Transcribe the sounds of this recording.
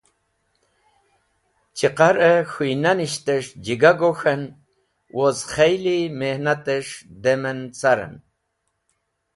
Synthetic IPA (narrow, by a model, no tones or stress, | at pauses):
t͡ʃiqaɾəxujnaniʃt̪eʂd͡ʒiɡaɡoxən | wʔozχɛjlimehnat̪eʂd̪emənt͡saɾə̰n